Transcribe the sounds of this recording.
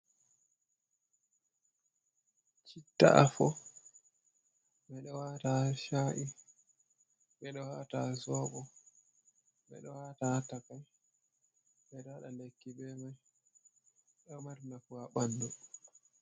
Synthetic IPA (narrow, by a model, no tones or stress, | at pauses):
t͡ʃitːa̰ʔafɔ | ɓɛɗɔwataʃaːʔi | ɓɛɗɔwatazɔːɓɔ | ɓɛ̰ɗɔwatatakaj | ɓɛɗɔaɗalekːibɛmaj | ɗɔmaɾnafuwaɓandɔ